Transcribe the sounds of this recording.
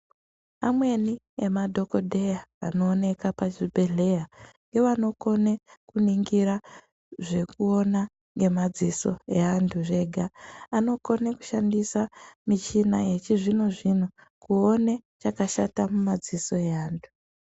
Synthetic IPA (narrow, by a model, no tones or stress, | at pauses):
amwe̞ni | emadʱo̞ko̞dʱe̞jaa̰no̞ːne̞kapaʐibʱe̞ɮe̞jaŋɡe̞ʋano̞ko̞nekuniŋɡiɾa | ʐe̞kuo̞na | ŋɡe̞mad͡ziso̞̰e̞andʰuʐe̞ɡʱaːno̞ko̞neku̥ʃandisamit͡ʃinaje̞t͡ʃiʐino̞ʐino̞ | kuonet͡ʃakaʃatamumad͡ziso̞e̞aːndʰʱu̥